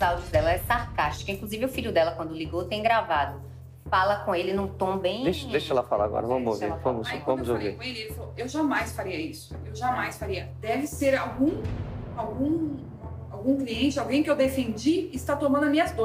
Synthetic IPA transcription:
zawd͡ʒʊzd̪ɛlɐɛsaɾkaʃt͡ʃi̥kɐĩkluzivɪʊfiʎʊd̪ɛlɐkwɐ̃nd̪ʊliɡot̪ẽj̃ɡɾavad̪ʊ | falɐkõelɪnũt̪õbẽj̃d̪eʃd̪eʃɛlɐfala̰a̰ɡɔ̰ɾɐ̰vɐ̃mʊo̰vḛɾvɐ̃mʊzvɐ̃mʊzovḛkõelɪeɪfoewʒamajsfaɾiɐisʊ̥ewʒamajsfaɾiɐd̪̥ɛvɪseɾawɡũawɡũ | awɡũkliẽnt͡ʃɪawɡẽj̃kɪewd̪efẽnd͡ʒiɪst̪at̪õmɐ̃nd̪ʊɐmĩɲɐzd̪o

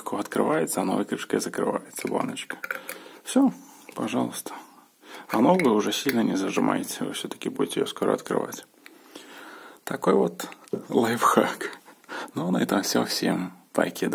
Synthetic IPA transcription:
kʰɔɐt̪kɾɪ̰ʋajesʲɐɐnɔ̰ʋɪkɾɪpʃkɪzɐkɾɪ̰ʋa̰jet̪sʲɐba̰nɪt͡ʃkɐ̥fsʲɔ | pɐʒɑlˠʊst̪ɐ̥ | ɐnɔʋɪʊʐɛsʲilʲnɐnʲɛzɐʒɪmʔa̰jetʲt͡sʲːɐʋɪ̰fsʲɔt̪ɐ̥kʲɪbudʲetʲɛjɔ̰skɔɾɔ̰ɐ̰t̪kɾɪ̰ʋa̰tʲ | t̪ɐkɔjʋɔt̪lˠɛjfxaknʊɔnɔjt̪afsʲoxsʲḭmp̪a̰jkʲɪd̪

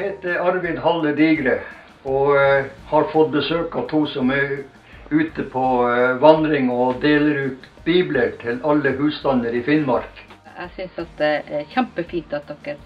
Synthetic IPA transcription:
heɪt̪əɑɾʋɪnɦɑlːəɖiːɡɾə | ɔhɑɾfɔt̪̚bəsøːkɑt̪ʰuːsɔmæ | ʉːt̪əpʰɔʋɑnd̪ɾɪŋɔd̪eːləɾʉːt̪biːbləɾʈʰɪlɑlːəhʉːst̪ɑnəɾɪfɪnmɑɾk | æ̰ɡsʏnsɑt̪̚d̪ɛʔæçæmpəfiːnt̪ɑt̪̚d̪ɔkːəɾ

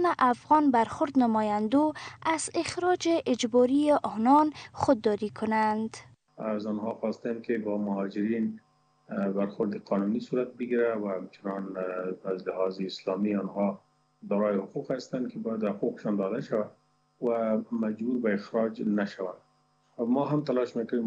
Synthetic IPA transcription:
naʔafɣɔnbaɾxʊɾd̪nəmɔjand̪oazɪxɾɔd͡ʒeʔɪd͡ʒbɔɾieʔɔnɔnxʊd̪ːɔɾikʰʊnand̪ | azɔnhɔxɔst̪aamkɪbɔmʊhɑd͡ʒɪɾin | baɾxʊɾd̪ɪqʰɑnunisuɾat̪̚bɪɡiɾawahamt͡ʃɪnɑnazlɪhɑzɪːslɔmiɔnhɔ | d̪ɔɾɑjɪhʊquqhast̪ankʰɪbɔjad̪hʊquqɪ̥ʃɑnd̪ɔd̪aʃawa | wamad͡ʒbuɾbaɪxɾɑd͡ʒnaʃawa | mɔɦamt̪alɑʃmekʊne

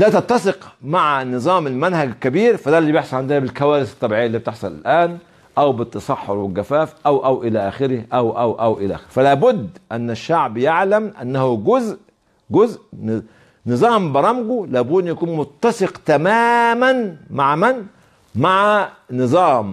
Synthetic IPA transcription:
d̪æːt̪ɑt̪ːɑsɪqmaʕanɨzˤɑːmɪlmænhæɡkːæbiːɾfæd̪ælːibjeħsˤɑlʕand̪ɪhæbɪlkæwæːɾɪsɑ̥t̪ˤːɑbiːʕejːælːiːb̚t̪eħsˤɑlɪ̰lʔæːn | ʔæwbɪt̪ːɑsˤɑħːoɾwɪlɡæfæːfʔæwʔæwʔɪlæːʔæːxɪɾɪhʔæwʔæwʔæwʔɪlæ̰ʔæ̰ːxɪɾfælæːbʊd̪ːʔænːæʃːaʕbjeʕlæmʔanːæhuɡʊzʔ | ɡʊzʔ | nɨzˤɑːmbɑɾˤɑmɡulæːbud̪ʔjækuːnmʊt̪ːɑseqt̪æmæːmænmaʕmæn | maʕanɨzˤɑːm

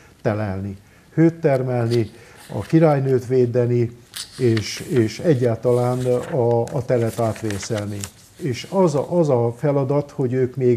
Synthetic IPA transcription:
t̪ɛlɛlni | høːt̪ːɛrmɛlniɒ̰kiɾaːjnøːt̪ʋeːd̪ɛnieːʃeːʃɛɟːaːlt̪ɒlaːnɒːt̪ɛlɛt̪aːt̪ʋeːsɛlni | eːʃɒzʔɒzɒfɛlɒd̪ɒt̪ho̞ɟøːkmeː

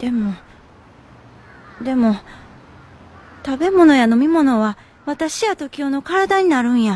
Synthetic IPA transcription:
d̪̥e̞mo | d̪e̞mo̞ | t̪abe̞mo̞no̞jano̞mʲimo̞no̞βa | βat̪aɕijat̪o̞kʲijo̞no̞kaɾad̪aɲ̟inaɾɯ̟̃ɰ̃ja

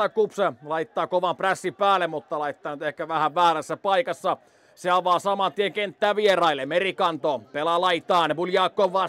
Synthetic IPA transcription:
ɑkupselɑit̪ːɑːkoʋɑmpræsːipæːlːemmut̪ːɑlɑit̪ːɑːnyt̪ehkæʋæhæʋʋæːræsːæpɑikɑsːɑ | seɑʋɑːsɑmɑt̪ieŋkent̪ːæːʋierɑilːemerikɑnt̪opelɑlɑit̪ɑːnepuljɑːkːˑoʋʋɑ

